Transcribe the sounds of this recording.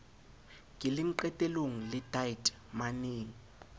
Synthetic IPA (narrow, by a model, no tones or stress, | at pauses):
ŋʱilɪm̩ǃɛtʼɛloŋ̩lɪdaitʼ | maneːŋi